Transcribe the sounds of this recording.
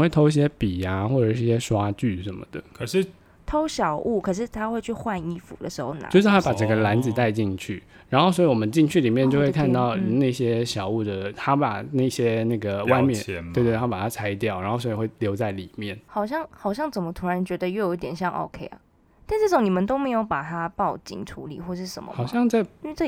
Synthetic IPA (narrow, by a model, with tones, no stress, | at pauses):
we˥˩t̪ʰo˥ʊi˥˩ɕ̬jɛ˥pi˨˩a˦xwɔ˥˩ʈ͡ʂə˨˩ʂɻ̩˥˩ɕjɛ˥ʂwa˥t͡ɕy˥˩ʂə˧˦nmə˩d̪ə˩kʰə˨˩ʂɻ̩˥˩ | t̪ʰo˥ʊɕjɑ˨˩ʊʔu˥˩kʰɤ˨˩ʂ̬ɻ̩˥˩t̪ʰa˥xwe˥˧ɪt͡ɕʰy˥˧xwa˥˧ni˥˩fṵ˨˩d̪ə̰˦ʂɻ̩˧˥xo˥˧˩ʊna̰˨t͡ɕo˥˧ʊʂɻ̩˥˩tʰa˥pa˨˩ʈ͡ʂə˥˩ɡə˨la˧˥nd͡zɹ̩˨t̪a˥˧ɪt͡ɕi˥˧ŋt͡ɕʰy˥˩ | ɻa˧˥nxo˥˩swɔ˧˥i˧˩wɔ˨˩mə˦nt͡ɕi˥˧ŋt͡ɕʰy˥˩li˨˩mjɛ˥˧nt͡ɕjo˥˧ʊxwe˥˧kʰa˥˧nt̪ɑ˥˧ʊna˥˩ɪɕjɛ˥ɕjɑ˨˩ʊu˥˩d̪ə˩t̪ʰa˥pa̰˨˩na˥˩ɕjɛ˥na˥˩ɡə˩wwa˥˧ɪmjɛ˥˨ntwe˥˧t̪ʰa˥pa˨˩t̪ʰa˥t͡sʰa˧˥ɪ˧t̪jɑ˥˩ʊɻa˨˧nxo˥˩ʊswɔ˧˥i˨˧xwe˥˩ɪljo˧˥ʊt͡sa˥˩ɪli˨˩mjɛ˥˩nxɑ˨˩ʊɕ̬jɑ˥˩ŋxɑ˨˩ʊɕ̬jɑ˥˩ŋt͡sə˨˩nmə˦t̪ʰu˧˥ɻa˧˦nt͡ɕɥɛ˧˥d̪ə˧jo˥˩ʊjo˨˦i˥t̪jɛ˨˩nɕjɑ˥˩ŋʔo̰˨˧ʊkʰe˥ɪɐ̰˨˩ | t̪a˥˧nʈ͡ʂɤ˥˩ʈ͡ʂʊ˨˥ŋni˨˩mə˨nt̪o˥ʊme˧˥ɪjo˧˥ʊpa˨˩t̪ʰa˥pɑ˥˩ʊt͡ɕḭ˨˩ŋʈ͡ʂʰṵ˧˥lḭ˨˩˦xwɔ˥˩ʂɻ̩˥˩ʂə̰˨˩˦mə̰˧˩xɑ˨˩ʊɕjɑ˥˧ŋt͡sɪ˥˧˥